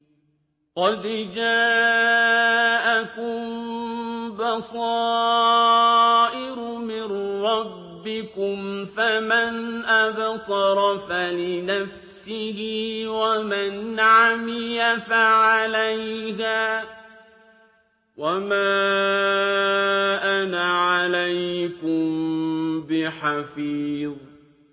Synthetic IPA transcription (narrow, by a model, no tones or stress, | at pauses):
qɑd̪d͡ʒaː | ʔakʊm | bɑsˤɑː | ʔɪɾʊmɪnɾˤɑbːɪkʊmfamanʔabsˤɑɾˤfalɪnaf | sɪhɪwamanʕamɪjafaʕalajɦaː | wamaː | ʔanaʕalajkʊm | bɪħafiːðˤ